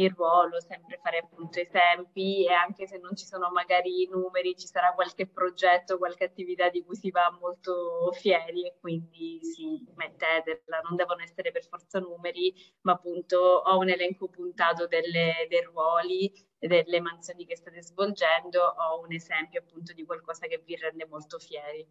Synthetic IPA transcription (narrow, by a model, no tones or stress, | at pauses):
irːwɔːlosɛmpɾefaːɾeapːunt̪oezɛmpieaŋk̟esenːont͡ʃisoːnomaɡaːɾinuːmeɾit͡ʃi̥saɾakːwalk̟epːɾod͡ʒɛt̪ːokwalk̟eat̪ːivit̪ad̪ːikujsivamːolt̪ofjɛːɾiekːwind̪isimet̪ːɛːt̪elanond̪ɛːvonoɛsːeɾeperfɔrt̪sanuːmeɾi | maːpːunt̪oɔunelɛŋkopunt̪aːt̪od̪elːed̪ejrwɔːli | d̪elːemant̪soːnik̟est̪aːt̪ezvold͡ʒɛnd̪oʔɔunezɛmpjoapːunt̪̬od̪ikwalkɔːsak̟evirːɛnd̪emolt̪ofjɛːɾi